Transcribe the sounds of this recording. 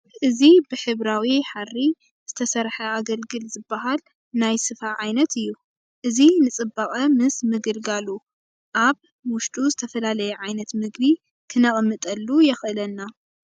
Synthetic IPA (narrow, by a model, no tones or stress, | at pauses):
ʔɨzibɨħɨβɾawiħarːi | z̥ɨt̪ʰɐsɐɾħɐaɡɐlɡɨlzɨbːaɦal | najsɨfaʕajnɐt̪ɨjːu | ʔɨzinɨt͡sʼɨbaχʼɐmɨsmɨɡɨlɡalu | ʔaβ | wʊʃtʼuzɨt̪ʰɐfɐlalɐjɛʕajnɐt̪mɨɡbi | kʰɨnaχʼmːɨt̪ʼɐlːujɛxʔɨlɐnːa